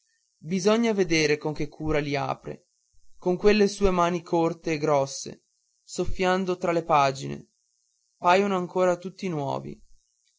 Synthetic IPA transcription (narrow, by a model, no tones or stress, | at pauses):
bizɔɲːaved̪eːɾekoŋk̟ekʰːuːɾalia̰ːpɾḛ | koŋkwelːesuːemaːnikʰort̪eːɡɾɔsːḛ | sofːjand̪ot̪ɾalepaːd͡ʒinḛ | paːjonoaŋkoːɾat̪ut̪ːinwɔ̰ːvḭ